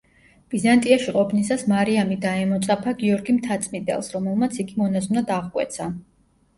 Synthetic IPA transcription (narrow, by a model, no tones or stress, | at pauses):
b̥izant̪ʼiaʃiqʼɔpʰnisasmaɾiamid̪aɛmɔt̪sʼapʰaɡiɔɾɡimt̪ʰat̪sʼmid̪ʼɛ̰lˠsɾɔmɛlˠmat̪sʰiɡimɔnaznad̪aʁkʼwɛ̰t̪sʰa